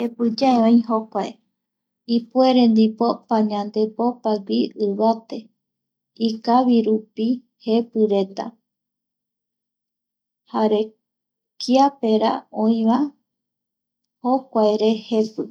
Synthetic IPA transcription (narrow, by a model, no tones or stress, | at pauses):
he̞pɨd͡ʒaeõĩɦokʷae | ipueɾẽ̞nd̪ipo̞paɲãnd̪e̞po̞paɡʷiɨβat̪e̞ | ikaβiɾupi | he̞pɨɾe̞t̪a̰ | haɾe̞ | kʰiape̞ɾa̰õĩʋã | hokʷaeɾe̞he̞pɨ